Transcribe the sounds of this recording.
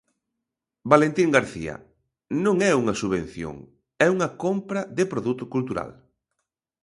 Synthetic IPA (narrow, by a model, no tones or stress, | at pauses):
balent̪iŋɡaɾθḭɐ̰ | nõŋɛuŋɐsuβẽn̟θjo̰ŋ | ɛuŋɐkompɾɐðɪpɾoðut̪ʊkult̪uɾa̰l